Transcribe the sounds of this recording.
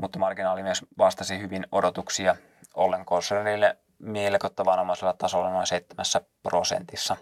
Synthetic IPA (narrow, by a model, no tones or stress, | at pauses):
mut̪ːɑmɑrɡinɑːlimyesʋɑst̪ɑsihyʋinodot̪uksiɑ | olːeŋkonserilːe | mielekot̪ːɑʋɑnomɑiselːɑt̪ɑsolːɑnoseit̪ːemæsːæprosḛnt̪isːɑ